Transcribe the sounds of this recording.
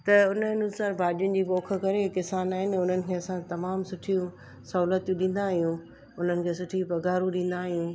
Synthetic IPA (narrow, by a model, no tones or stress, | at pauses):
t̪ɐʊnnʊsaːɾbʱaːɗijʊnɪ̆d͡ʑiːboːkʰə̆kɐɾekɪsaːnaːɦɪnɪʊn̤ənɪ̆kʰeːɐsãt̪ɐmaːmsʊʈʰijũ | sɐɦuːlət̪jũɗĩːn̆d̪aːɦijũ | ʊn̤ənɪ̆kʰeːsʊʈʰiũpɐɡaːɾũɗĩːn̆d̪aːɦijũ